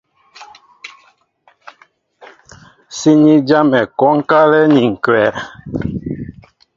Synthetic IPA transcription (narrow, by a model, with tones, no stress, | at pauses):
si˦ɲi˦d͡ʒa˦mɛ˨kɔ˦ŋ̩˦ka˦lɛ˦ni˨ŋ̩˨kwɛ˨ɾ